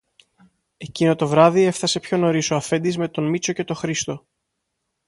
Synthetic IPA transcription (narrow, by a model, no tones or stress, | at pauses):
e̞cino̞t̪o̞vɾɐðie̞fθɐse̞pço̞no̞ɾisoɐfe̞nd̪izme̞t̪o̞nmit͡so̞ce̞t̪o̞xɾist̪o̞